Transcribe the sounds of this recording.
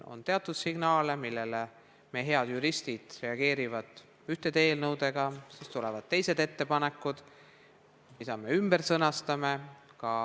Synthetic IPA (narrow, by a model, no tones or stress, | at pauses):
o̰nt̪e̞ɑt̪ːˑud̪̥siɡ̥nɑːlemilːele | meɦe̞ɑd̪̥juɾist̪id̪̥re̞ɑɡ̥e̞ːɾivɑd̪̥ | yht̪e̞t̪e̞ːlnɤwd̪e̞ɡ̥ɑsist̪ulɛvɑd̪̥t̪e̞jse̞d̪e̞t̪ːepɑne̞kːˑud̪̥ | mid̪̥ɑme̞ymb̥e̞ɾsɤnɑst̪ɑmekɑ